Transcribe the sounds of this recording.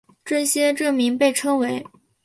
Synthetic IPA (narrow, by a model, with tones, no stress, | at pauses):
ʈ͡ʂɤ˥˩ɕjɛ˥ʈ͡ʂɤ˥˩mi˧˥ŋpe˥˩ɪʈ͡ʂʰɤ˥ŋwe˧˥ɪ